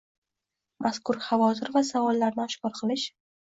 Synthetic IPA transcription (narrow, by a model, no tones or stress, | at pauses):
maskʰʊɾhavɒt̪ʰɪɾvasavɒlˠːaɾnɪɒʃkɒɾqʰɨlˠɪʃ